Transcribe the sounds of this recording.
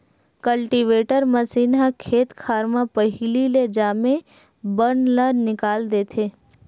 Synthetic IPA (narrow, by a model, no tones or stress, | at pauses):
kəlʈiʋeːʈəɾməsiːnakʰeːt̪kʰaːɾmãpəɦɪliled͡ʒaːmẽ | bəɳlənɪkaːld̪eːt̪ʰeː